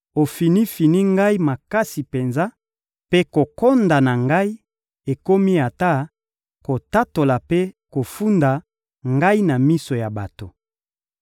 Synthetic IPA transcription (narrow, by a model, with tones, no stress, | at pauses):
o˨fi˨ni˦fi˨ni˦ŋɡa˦i˦ma˨ka˦si˨pe˨nza˦ | pe˦ko˨ko˦nda˨na˨ŋɡa˦i˦ | e˨ko˦mi˦a˨ta˦ | ko˨ta˦to˨la˨pe˦ko˨fu˦nda˨ | ŋɡa˦i˦na˨mi˦so˨ja˨ba˨to˨